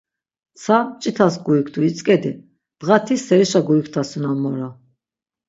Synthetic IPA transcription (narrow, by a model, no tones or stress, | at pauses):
t͡sʰat͡ʃʼit̪ʰas̬ɡuikʰd̪ʰuit͡sʼkʼɛd̪i | d̪̥ʁat̪ʰisɛɾiʃaɡuikʰt̪ʰasunanmɔɾa